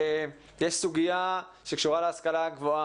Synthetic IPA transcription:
jeʃsuɡija | ʃekʃuʁaleaskalaɡvoa

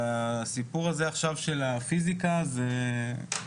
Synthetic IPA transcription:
asipuʁazeaχʃavʃe̞lafizikaze

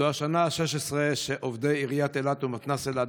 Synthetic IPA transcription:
oaʃanaːʃeʃesʁeʃeʔovd̪eiʁijat̪elat̪umat̪nasela

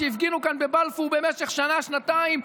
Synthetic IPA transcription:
eifɡinukanbebalfube̞meʃe̞χʃanaʃnataim

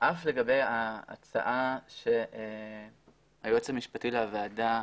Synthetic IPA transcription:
ʔafle̞ɡabe̞ja̰ːt͡sa̰ʔaʃeʔe | ajot͡semiʃpatileavaada

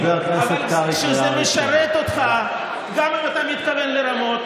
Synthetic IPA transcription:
ealknevseat̪kaʃuzemeʃaɾet̪o̞t̪χa | ɡamimat̪amit̪kavenleɾamo̞t̪

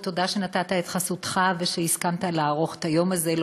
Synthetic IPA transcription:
t̪o̞d̪aʃe̞nat̪at̪ae̞t̪χasut̪χaveʃeiskamt̪alaːʁo̞χe̥t̪ajo̞mazel

